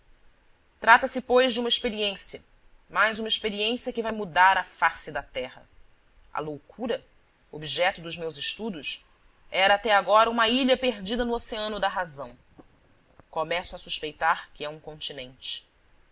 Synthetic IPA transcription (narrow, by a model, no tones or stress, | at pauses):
t̪ɾat̪ɐsɪpojʒd͡ʒɪũmɐiʃpeɾiẽsiɐ | majzũmɐiʃpeɾiẽsiɐkɪvajmud̪aɾɐfasɪd̪ɐt̪ɛhɐ̰ | ɐ̰lowkʰuɾɐ | obiʒɛt̪ʊd̪ʊzmewzɪʃt̪ud̪ʊs | ɛɾɐːt̪ɛaɡɔɾɐũmɐiʎɐpeɾd͡ʒid̪ɐnʊoseɐ̃nʊd̪ɐɦazɐ̃w̃ | komɛsʊɐsuʃpejt̪aɾkɪɛũkõnt͡ʃinẽnt͡ʃɪ̥